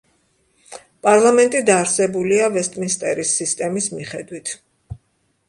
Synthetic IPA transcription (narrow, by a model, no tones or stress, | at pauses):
pʼaɾlˠamɛnt̪ʼid̪aːɾsɛbuliavɛst̪ʼminst̪ʼɛɾisːist̪ʼɛmismiχɛd̪wit̪ʰ